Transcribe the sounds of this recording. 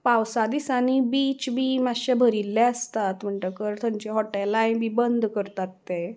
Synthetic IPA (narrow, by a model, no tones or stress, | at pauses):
pawsad̪isañibiːt͡ɕbʱiːmaɕebʱəɾilːeəst̪at̪m̤əɳʈəkəɾt̪ʰəɲt͡ɕeɦɔʈelãjbibənd̪ʱkəɾt̪at̪ːe